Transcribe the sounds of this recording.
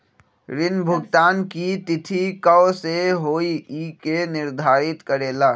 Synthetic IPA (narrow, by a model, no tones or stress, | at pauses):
ɾɪnbʱʊɡt̪aːnkit̪ɪt̪ʰikəwseɦoːiikenɪɾd̪ʱaːɾɪt̪kəɾeːlaː